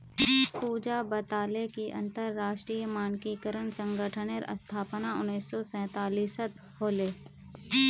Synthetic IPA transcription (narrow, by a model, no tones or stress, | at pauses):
puːd͡ʒabət̪aːlekiʔɐ̰̃nt̪əɾːaːʃʈɾiːjəmaːnkiːkəɾənsə̃ŋɡəʈʰəneɾə̰st̪ʰaːpənaʊnːiːsːɔsɛ̃ːt̪aːliːsət̪ | hoːleː